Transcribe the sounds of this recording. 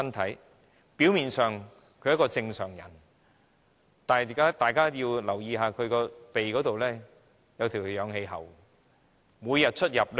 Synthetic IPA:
ɐ˥nt̪ʰɐ˨˥j | piː˨˥wmiː˨nsœː˨ŋ | kʰɵ˧ɥjkɔː˧t͡sɪ˧ŋsœː˨˩ŋjɐ̰˨˩n | t̪aː˨˩ka˨˥t̪aː˨jkaː˥jiː˧wlɐ˨˩wjiː˨˧haː˨˧kʰɵ˨˧ɥkɔː˧pe˨jkɔː˨˥t̪o˨wlɛː˥ | jɐ˨˧wt̪ʰiː˨˩wjœː˨˧ŋhe˧jɦɐ˨˩w | muː˨˧jɐ˨t̚t͡ʃʰɵ˥t̚jɐ˨p̚l

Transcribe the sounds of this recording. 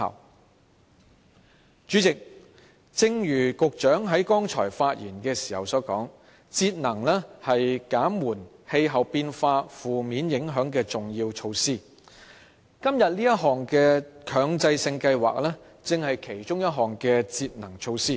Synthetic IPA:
ɐ̰˨˩w | t͡ʃyː˨˥t͡sɪ˨k̚ | t͡sɪ˧ŋjyː˨˩kʊ˨k̚t͡ʃœː˨˥ŋɦɐ˨˥jkɔː˥ŋt͡ʃʰɔ̰ː˨˩jfaː˧t̚jiː˨˩nkɛː˧siː˨˩hɐ˨wsɔː˨˥kɔ̰ː˨˥ŋ | t͡siː˧t̚nɐ˨˩ŋlɛː˥hɐ˨jkaː˨˥mwuː˨˩nhe˧jɦɐ˨˩wpiː˧nfaː˧fuː˨miː˨˥njɪ˨˥ŋɦœː˨˥ŋkɛː˧t͡sʊ˨˩ŋjiː˧wt͡ʃʰo˧wsiː˥˩ | kɐ˥mjɐ˨t̚nliː˥jɐ˥t̚ɦɔː˨ŋkɛː˧kʰœː˨˧˥ŋt͡sɐ˧jsɪ˧ŋkɐ˧jwa̰ː˨k̚lɛː˥ | t͡sɪ˨ŋhɐ˨jkʰe˨˩jt͡ʃʊ˥ŋjɐ˥t̚ɦɔː˨ŋkɛː˧t͡siː˧t̚nɐ˨˩ŋt͡ʃʰo˧wsiː˥˩

